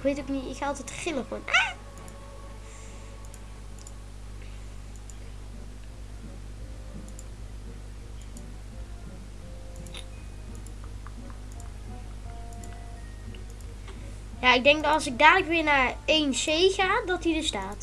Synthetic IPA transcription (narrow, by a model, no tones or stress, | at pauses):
kʋejtokniɪkxɑlˠtɛtχɪləɣona | jaːɪɡ̚dɛŋɡdtɑlˠsɪɡ̚daːdələkʋɪːɹnaːɹejnsejɣaːdɑtidəɹstaːt